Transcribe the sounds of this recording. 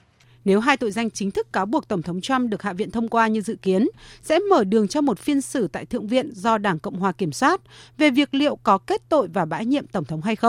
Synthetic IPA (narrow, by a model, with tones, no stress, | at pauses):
ne˨˦wɦaː˧jt̪o̰˧˨jza˧jŋt͡ɕï˨˦ŋ̟t̪ʰɨ˦˥kːaː˨˦wɓu˨˩ək̚t̪ə˧˩ŋ͡mt̪ʰə˨˦wŋ͡mt͡ɕwa˧mɗɨ˨˩ək̚ha̰ː˧˨vḭ˧˨ənt̪ʰə˧wŋ͡mkwaː˧ɲɨ˧zɨ̰˧˨ki˨˦ənsɛ̰˧˥məː˧˩ɗɨ˨˩əŋt͡ɕɔ˧mo˨˩t̚fi˧ənsɨ˧˩t̪a̰ː˧˨jt̪ɨ˧˨əŋvḭ˧˨ənzɔ˧ɗaː˧˩ŋkə̰˧˨wŋ͡mɦwaː˨˩ki˧˩əmswaː˦˥t̚ve˨˩vi˨˩ək̚lḭ˧˨əwkɔ˨˦ke˦˥t̚t̪o̰˧˨jvaː˨˩ɓa̰ː˧˥jɲḭ˧əmt̪ə˧˩wŋ͡mt̪ʰə˨˦wŋ͡mɦa˧jxə˧wŋ͡m